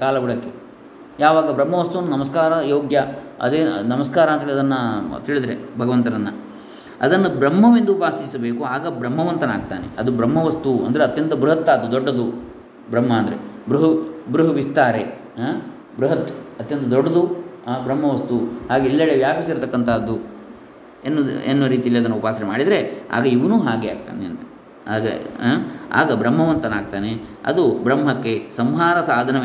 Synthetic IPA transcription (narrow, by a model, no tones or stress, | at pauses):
kaːlɐɡuɽɐkːe | jaːʋaːɡɐbɾɐmːɐʋɐst̪uʋɐnːunɐmɐskaːɾɐjoːɡjɐɐ̰d̪eːnɐmɐskaːɾaːnt̪ɐɦeɭiɐd̪ɐnːɐt̪iɭid̪ɐɾebʱɐɡɐʋɐnt̪ɐɾɐnːɐ | ɐ̰d̪ɐnːɐbɾɐmːɐʋind̪ubaːsisɐbe̞ːkuaːɡɐbɾɐmːɐʋɐnt̪ɐna̰ːɡ̚t̪a̰ːnḛɐd̪ubɾɐmːɐʋɐst̪uɐ̰nd̪ɐɾeɐt̪jɐnt̪ɐbɾuɦɐt̪ːaːd̪ud̪ɔɖːɐd̪u | bɾɐmːɐːnd̪ɐɾḛbɾuɦɐbɾuɦɐʋist̪aːɾe̞ | ɦaː | bɾuɦɐt̪ːɐt̪jɐnt̪ɐd̪ɔɖːɐd̪uɦabɾɐmːɐʋɐst̪uhaːɡeilːɐɭeʋjaːpisiɾt̪ɐkːɐnt̪ʰɐːd̪u | enːuenːoɾiːt̪iɐlːiɐd̪ɐnːɐupaːsɐɾemaːɽid̪ɾe̞a̰ːɡɐiʋɐnuːɦaːɡea̰ːɡ̚t̪a̰ːneɐ̰nt̪ɐ | aːɡɐ̰ɦaa̰ːɡɐbɾɐmːɐʋɐnt̪ɐnaːɡ̚t̪aːneɐ̰d̪ubɾɐmːɦɐkːe̞sɐmɦaːɾɐsaːd̪ʱɐnɐ